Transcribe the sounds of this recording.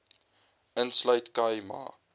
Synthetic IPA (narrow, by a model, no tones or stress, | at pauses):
ənslɐjtkɐjma̰ː